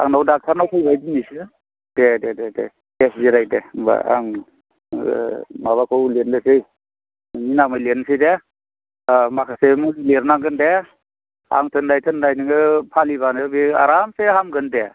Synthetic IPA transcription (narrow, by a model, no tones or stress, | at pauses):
a̰ŋnawdak̚tʰaɾnawtʰajbajdinisɯ | d̥edededḛ | esziɾajdeba̰a̰ŋ | maβakʰowlendɯsɯj | ninamɯjlensʰɯde | makʰasemuleɾnaŋɡɯnde | a̰ŋtʰɯndajtʰɯndajnɯŋɯpʰaliβanɯbia̰ɾamsehamɡɯnde